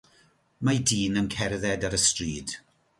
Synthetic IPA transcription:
madiːnənkʰɛrðɛdaɾəstriːd̥

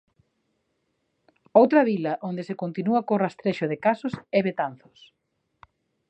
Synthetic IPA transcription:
owt̪ɾɐβilɐʔond̪esekont̪inuɐkorast̪ɾeʃʊðekasʊsɛβet̪an̟θʊ̥s

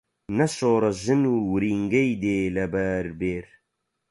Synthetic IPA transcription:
nɐʃoːɾɐʒɨnuːwɾiːŋɡɐjd̪eːlɐbɐːɾbeːɾ

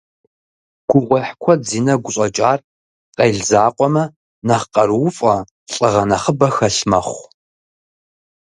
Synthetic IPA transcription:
ɡ̥ʷʰʊʁʷɐħkʷʰɔziːnɐɡʷʊɕʼɐt͡ʃʼaːr | qɐjɮzaːqʷʼɔmɐ | nɐχqɐɾwʊfʼɐ | ɬʼəʁɐnɐχəbɐxɐɬmɐχʷ

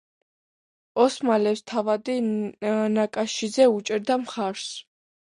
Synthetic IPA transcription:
ɔsmalɛpst̪ʰavad̪i | nakʼaʃizɛut͡ʃʼiɾd̪amχaɾs

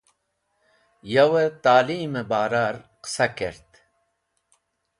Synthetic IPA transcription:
jawet̪aːliːmebaːɾaɾqɨ̥sakeɾt̪

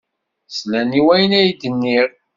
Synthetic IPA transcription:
slæniwæjənæjd̪ənːiɾ

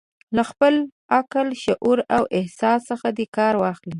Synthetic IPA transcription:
laxpəl | akəlʃʊʔuɾawʔɪhsɑsːəxad̪ekɑɾwɑxli

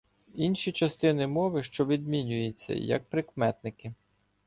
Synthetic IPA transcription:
inʃʲit͡ʃɐst̪ɪnɪmɔʋɪʃt͡ʃɔʋʲid̪̚mʲinʲʊjʊt͡sʲːɐ̰jɐ̰k̚pɾɪkmɛt̪̚nɪkɪ

